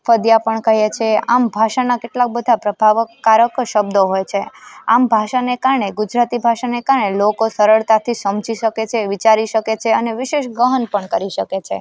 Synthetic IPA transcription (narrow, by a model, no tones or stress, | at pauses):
fəd̪japəɳkəɦjet͡ʃʰeambʱaʃanakeʈlak̚bəd̪ʱapɾəbʱaʋəkːaɾəkʃəb̚d̪oɦojt͡ʃʰeambʱaʃanekaɾɳeɡud͡ʒɾat̪ibʱaʃanekaɾɳelokosəɾəɭt̪at̪ʰisəmd͡ʒiʃəket͡ʃʰeʋit͡ʃaɾiʃəket͡ʃʰeəneʋɪʃeʃɡəɦənpəɳkəɾiʃəket͡ʃʰḛ